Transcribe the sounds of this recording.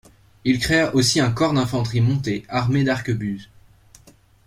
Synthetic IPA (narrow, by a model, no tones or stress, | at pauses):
ilkχeʔosiɛ̃kɔʁd̪ɛ̃fɑ̃t̪χimɔ̃t̪eaʁmed̪aʁkəbyz